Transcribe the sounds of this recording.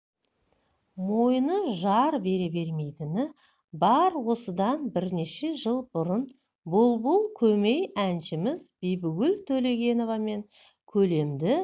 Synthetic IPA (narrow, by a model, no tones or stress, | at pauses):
mo̞jnəʒɑɾbe̞ɾebe̞ɾme̞jt̪ɪnɪ | bɑɾwo̞səd̪ɑnbɪɾne̞ʃe̞ʒəlˠbʊɾən | bʊlˠbʊlˠkʲʰɵme̞jænʃɪmɪzbijbʏɡʲɪlt̪ʰɵle̞ɡʲe̞no̞vɑme̞ŋ | kʲʰɵle̞md̪ɪ